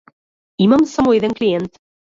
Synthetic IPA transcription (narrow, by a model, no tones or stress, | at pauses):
imamsamujðeŋklʲient̪